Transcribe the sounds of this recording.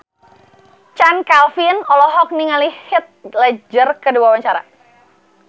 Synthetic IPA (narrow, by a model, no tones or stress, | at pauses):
t͡ʃankalfinɔlɔɦɔk̚niŋalihɪt̪̚lad͡ʒərkəduawaɲt͡ʃaɾa̰